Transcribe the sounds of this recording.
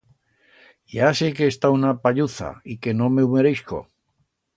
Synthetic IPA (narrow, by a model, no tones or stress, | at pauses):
jasekeːst̪aunapaʎuθa̰ike̞no̞meumeɾejsko̰